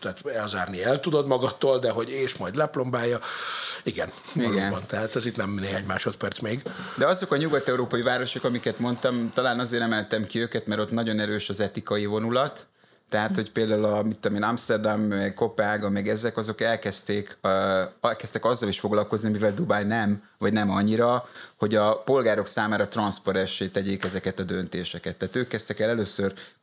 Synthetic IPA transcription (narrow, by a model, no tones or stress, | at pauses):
t̪ɛɦaːt̪ɛlzaːrniɛlt̪ud̪o̞d̪mɒɡɒt̪ːoːld̪ɛɦoɟeːʃmɒjd̪lɛplo̞mbaːjːɒiɡɛn | iɡɛnbɔnt̪ɛɦaːt̪ɛzit̪nɛmneːɦaːɲmaːʃo̞t̪pɛrt̪smeːɡd̪ɛɒzo̞kɒɲuɡɒt̪ɛuɾoːpɒjivaːɾo̞ʃo̞kɒmikɛt̪mo̞nt̪ɒmt̪ɒlaːnɒzeːɾɛmɛlt̪ɛmkiøːkɛt̪mɛɾo̞t̪nɒɟo̞nɛɾøːʃɒzɛt̪ikɒjivo̞nulɒt̪ː | ɛɦaːt̪ho̞cpeːld̪aːululɒmit̪ːomeːnɒmst̪ɛrd̪amɛɡko̞paːɡɒmɛɡɛzɛkɒzo̞kɛlkɛst̪eːkː | ɒlkɛst̪ɛkɒzːɒliʃfo̞ɡlɒlko̞znimivɛld̪ubajnɛm | vɒɟnɛmɒɲːiɾɒho̞ɟɒpo̞lɡaːɾo̞ksaːmaːɾɒt̪rɒnspoɾɛnʃeːt̪ɛɟeːkɛzɛkɛt̪ɒd̪ø̞nt̪eːʃɛkɛt̪ːaːt̪øːkːɛst̪ɛkɛlɛløːsør